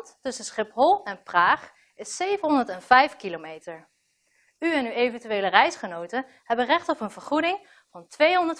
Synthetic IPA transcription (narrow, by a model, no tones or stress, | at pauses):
ttɵsənsχɪpɦɔlˠɛnpraːχ | ɪsːejvənɦɔndəɹtɛnv̥ɛjfkilomejtəɹ | yɛnywejvəntyʋeːlərɛjsχənowtə | hɛbənrɛχtɔpənv̥əɹχudɪŋ | vɑntʋejɦɔndəɹt